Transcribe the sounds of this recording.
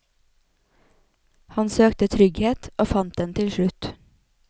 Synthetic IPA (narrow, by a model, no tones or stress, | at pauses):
hɑnsøːkt̪ət̪ʰɾʏɡheːt̪ʔoːfɑnt̪̚d̪ɛnt̪ʰɪlʃlʉt̪